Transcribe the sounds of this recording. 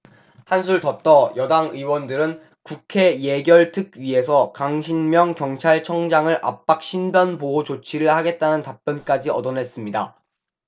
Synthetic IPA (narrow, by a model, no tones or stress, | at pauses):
hansʰuɭtʌt͈ʌjʌdaŋɯiwʌndɯɾɯn | kukʰe̞je̞ɡjʌɭtʰɯk̚ɥie̞sʰʌkaŋɕʰinmjʌŋkjʌŋt͡ɕʰaɭt͡ɕʰʌŋd͡ʑaŋɯɾʔa̰p͈̚ak̚ɕ͈ʰinbjʌnboot͡ɕot͡ɕʰiɾɯɭhaɡe̞t̚t͈anɯntap͈jʌnk͈ad͡ʑiʌdʌnɦe̞s͈ɯmɲida